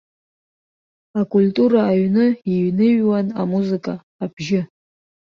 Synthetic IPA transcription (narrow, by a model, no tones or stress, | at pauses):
akʼultʼuɾaːɥnɨiɥnɨɥwanamuzɨkʼaː | b̥ʒɪ